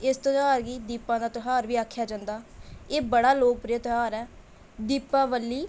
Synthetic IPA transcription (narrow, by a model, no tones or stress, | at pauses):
ɪst̪oɦaːɾɡiːd̪iːpãːd̪aːt̪oɦaːɾʋiːaːkʰːjaːd͡ʒãːnd̪aːeːbəɽaːloːk̚pɾɪjət̪əɦaːɾɛː | d̪iːpːãːʋəlːiː